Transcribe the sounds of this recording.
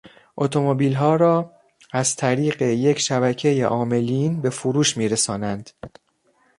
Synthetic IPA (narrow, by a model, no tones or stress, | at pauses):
ʔo̞t̪ʰo̞mobiːlɦɒːɾɒː | æzt̪ʰæɾiːɢe̞je̞cʰʃæbæcʰe̞jeʔɒːme̞liːnbe̞fuɾuːʃmiːɾesɒːnænd̪̥